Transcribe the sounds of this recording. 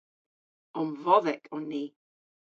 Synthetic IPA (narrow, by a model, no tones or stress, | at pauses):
ɔnvɔðɛkʰɔnːiː